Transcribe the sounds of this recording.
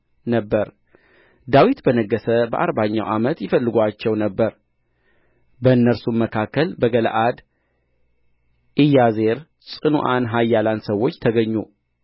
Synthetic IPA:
nəbːəɾ | d̪awit̪bənəɡːəsəbə̰ʔa̰ɾbaɲːawʔamət̪jɪfəlːɨɡʷat͡ʃːɛwnəbːəɾ | bəɨnːəɾsumməkʰakːəlbəɡəlʔad̪ | ʔijaze̞ɾ | sʼɨnuʔanɦajːaland̪səwːo̞t͡ʃːt̪ʰəɡəɲːu

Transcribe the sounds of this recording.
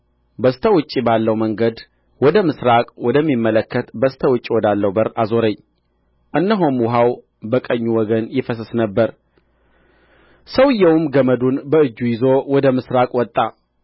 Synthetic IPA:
bəst̪ʰəwʊt͡ʃʼːibalːəwməŋɡəd̪ | wɔd̪əmɨsɾakʼwɔd̪əmːimːələkʰːət̪bəst̪ʰəwʊt͡ʃʼːiwɔd̪alːəwbəɾazo̞ɾəɲː | ʔɨnːəɦomwʊɦaw | bəkʼəɲːuwɔɡənjɪfəsəsnəbːəɾ | səwɨjːɛwmɡəməd̪unbəɨd͡ʒːujɪzo̞wɔd̪əmɨsɾakʼwɔt̪ʼːa

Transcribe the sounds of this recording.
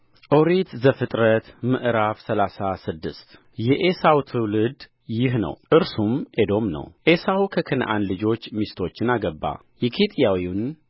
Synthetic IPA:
ʔoɾit̪zəfɨt̪ʼɾət̪mɨʔɾafsəlasasɨd̪ːɨst̪ | jɛʔesawt̪ʰɨwlɨd̪ | jɪɦnə̰wʔɨɾsumʔed̪o̞mnə̰wʔesawukʰəkʰɨn̰ʔa̰nlɨd͡ʒo̞t͡ʃːmist̪ʰo̞t͡ʃːɪnaɡəbːa̰ | jɛkʰet̪ʼjawin

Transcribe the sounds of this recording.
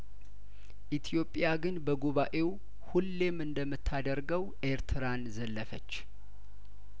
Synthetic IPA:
ʔit̪ʰjo̞pʼjaɡɨnbəɡoβaʔe̞w | hulːe̞mɨnd̪əmːɨt̪ʰːad̪əɾɡəwʔeɾt̪ʰɨɾanzəlːəfət͡ʃː

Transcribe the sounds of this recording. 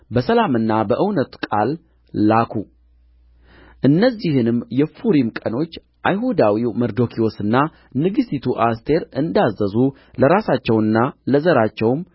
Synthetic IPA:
bəsəlamɨnːabəʔɨwnət̪kʼalː | akʰu | ʔɨnːəzːihɨnɨmːjɛfuɾimkʼəno̞t͡ʃː | ʔajɦud̪awiwməɾd̪o̞kʰio̞sɨnːa | nɨɡɨsit̪ʰuʔast̪ʰe̞ɾɨnd̪azːəzu | ləɾasat͡ʃːɛwnːaləzəɾat͡ʃːɛwm

